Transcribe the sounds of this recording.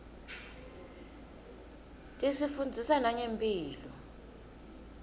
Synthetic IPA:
tʼisifund͡zʱisanaɲempʼiːlɔ

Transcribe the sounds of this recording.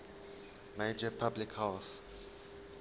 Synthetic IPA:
meɪd͡ʒəpʰablɪkhɛlθ

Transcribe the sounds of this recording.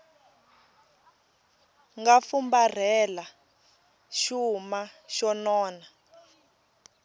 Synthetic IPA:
ŋɡafumbar̤ɛla | ʃumaʃɔnɔːna

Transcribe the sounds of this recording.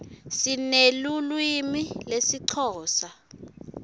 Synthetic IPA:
sinelulwimilesiǀʰɔːsa

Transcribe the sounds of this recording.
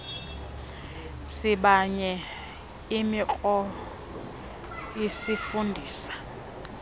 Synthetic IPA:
siɓaɲɛ | imik͡xʼɔ | jisifundʱiːsḁ

